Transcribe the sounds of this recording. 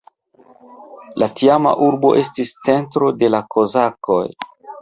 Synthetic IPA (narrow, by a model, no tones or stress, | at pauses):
latiama̰ʔuɾbo̞ʔe̞stist͡se̞ntɾo̞de̞lakʰo̞zako̞̰j